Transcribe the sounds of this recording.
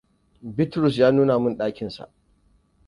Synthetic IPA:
bɪ˦tɾʊ˨s̬jaː˦nuː˦na˨mʊ˦nɗaː˦kʲɪ˨nsa̰˨ʔ

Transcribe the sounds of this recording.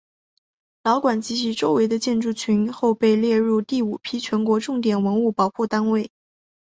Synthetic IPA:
lɑ˧˥ʊkwa˨˩nt͡ɕi˧˥t͡ɕʰi˧˥ʈ͡ʂo˥ʊwe˧˥ɪd̪ə˧t͡ɕjɛ˥˧nʈ͡ʂu˥˩t͡ɕʰy˧˥nxo˥˧ʊpe˥˧ɪljɛ˥˧ɻu˥˧t̪i˥˩u˨˩pʰi˥t͡ɕʰɥɛ˧˥nkwɔ˧˥ʈ͡ʂʊ˥˩ŋt̪jɛ˨˩nwə˧˥nu˥˩pɑ˨˩ʊxu˥˩t̪a˥nwe˥˩ɪ

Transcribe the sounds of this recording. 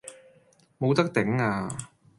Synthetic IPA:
mo˨˧wt̪ɐ˥k̚t̪ɪ˨˥ŋaː˧

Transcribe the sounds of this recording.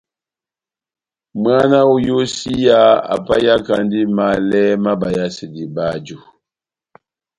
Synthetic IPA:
ma˦na˦u˦jo˦si˦ja˦a̰˨pa˦ja˦ka˨ndi˦ma˨˦lɛ˦ma˦ba˨ja˦si˨di˨ba˦d͡ʒu˨

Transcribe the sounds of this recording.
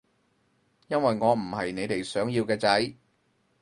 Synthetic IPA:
jɐ˥nwɐ˨jŋɔː˨˧m̩˨˩hɐ˨jne˨˧jt̪e˨jsœː˨˥ŋjiː˧wkɛː˧t͡sɐ˨˥j

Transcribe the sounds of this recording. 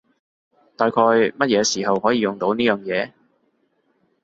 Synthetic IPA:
t̪aː˨jkʰɔː˧jmɐ˥t̚jɛː˨˧siː˨˩hɐ˨whɔː˨˥jiː˨˧jʊ˨˩ŋt̪o˨˥wniː˥jœː˨˩ŋjɛː˨˧

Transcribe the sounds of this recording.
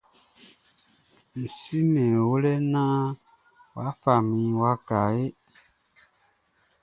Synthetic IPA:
ni˨si˦nɛ̃˨wo˦lɛ˦nã˦ | wa˨˦fa˨mĩ˨˦wa˧˦ka˨je˦

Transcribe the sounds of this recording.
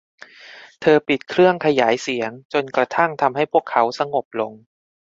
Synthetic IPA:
t̪ʰɤː˧pi˨˩t̪̚kʰɾɯ˥˩əŋkʰa˧jaː˩˦jsi˩˦əŋt͡ɕo˧nkɾa˧t̪ʰa˥˩ŋt̪ʰa˧mɦa˥˩jpʰu˥˩əkʰːa˦˥wsa˧ŋo˨˩p̚lo˧ŋ

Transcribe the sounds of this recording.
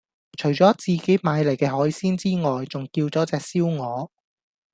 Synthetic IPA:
t͡ʃʰɵ˨˩ɥt͡sɔː˨˥t͡siː˨ke˨˥jmaː˨˧jlɐ˨˩jkɛː˧ɦɔː˨˥jsiː˥nt͡siː˥ŋɔː˨jt͡sʊ˨˩ŋkiː˧wt͡sɔː˨˥t͡sɛː˨k̚siː˥wŋɔː˨˧

